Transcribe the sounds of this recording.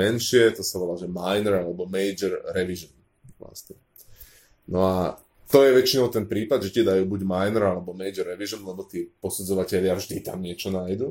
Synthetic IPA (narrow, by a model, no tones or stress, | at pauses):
ɛnʃɪɛt̪ɔsaʋɔlalʒɛmajnɛɾalɛbɔmɛjd͡ʒɛɾɾɛʋiʒɔn | ʋla̰st̪ɲɛ | nɔa | t̪ɔjɛʋɛt͡ʃinɔʊt̪ɛnpɾiːpad̪ʒɛcɛd̪ajuːbuɟmajnɾalɛbɔmɛjd͡ʒɛɾːɛʋiʒɔnlɛbɔt̪iːpɔsud͡zɔʋacɛʎɪavʒd̪it̪a̰mɲɪɛt͡ʃɔnajd̪u